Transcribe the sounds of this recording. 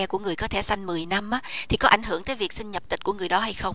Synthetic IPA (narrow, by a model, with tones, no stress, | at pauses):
ɛ˧ku˧˩əŋɨ˨˩əjkɔ˨˦t̪ʰe˧˩sa˧jŋ̟mɨ˨˩əjna˧mʔaː˦t̪ʰi˨˩kɔ˨˦ʔa̰˧˩jŋ̟ɦɨ˧˩əŋt̪əː˨˦jvi˨˩ək̚sï˧ŋ̟ɲə˨˩p̚t̪ï˨˩t̟ku˧˩əŋɨ˨˩əjɗɔ˨˦ɦa˧jxə˧wŋ͡m